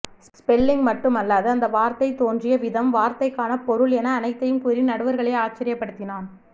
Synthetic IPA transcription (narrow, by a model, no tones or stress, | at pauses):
s | pɛlːɪŋɡmɐʈːɯmɐlːaːðɯɐnd̪ɐʋaːɾt̪ɐɪt̪ːoːndrɪjɐʋɪðɐmʋaːɾt̪ɐɪkːaːnɐpɔɾɯɭɛnɐːnɐɪt̪ːɐjɯmkuɾinɐɽɯʋɐɾɣɐɭɐɪaːt͡ʃːɐɾɪjɐpːɐɽɯt̪ːɪnaːn